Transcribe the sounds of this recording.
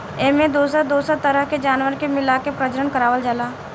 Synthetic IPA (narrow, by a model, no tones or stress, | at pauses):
eːmẽd̪oːsəd̪oːsat̪ɐɾəɦked͡ʒaːnwəɾkemɪlakepɾəd͡ʒəɾənkəɾaːʋəld͡ʒalaː